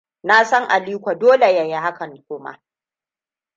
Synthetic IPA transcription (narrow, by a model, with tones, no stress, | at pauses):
na˦sɐ˦ŋʔa˨liː˦kʷa˨doː˦le˨ja˨je˦ha˦kɐ˨ŋkʷʊː˦ma̰˦